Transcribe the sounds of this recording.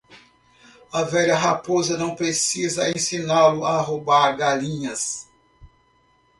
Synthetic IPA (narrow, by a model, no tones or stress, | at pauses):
ɐvɛʎɐɦapozɐnɐ̃w̃pɾesizɐẽsĩnalʊaɦobaɾɡalĩɲɐs